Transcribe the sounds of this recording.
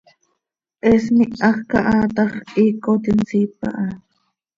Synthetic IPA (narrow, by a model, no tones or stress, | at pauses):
ʔesmiɑχkaʔat̪ɑχikot̪insipa̰ʔa